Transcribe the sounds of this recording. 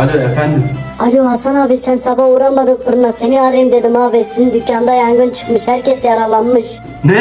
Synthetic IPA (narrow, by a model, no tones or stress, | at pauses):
alʲoefænd̪ɪmalʲohasanaːbisænsabauɾanmad̪ɯmfɯɾunaseniaːɾajimd̪ed̪imaːvɛsinind̪ycːand̪ajaŋɡɯnt͡ʃʰɯ̥kmɯʃhæɾcɛsjaɾalˠanmɯʃ | nɛ